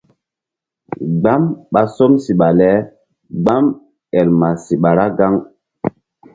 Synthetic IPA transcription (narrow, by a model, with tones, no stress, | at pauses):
ɡ͡ba˦mɓa˦sɔ˦msi˨ɓa˨lɛ˦ | ɡ͡ba˦m | ɛ˨lma˨si˨ɓa˨ɾa˦ɡa˦ŋ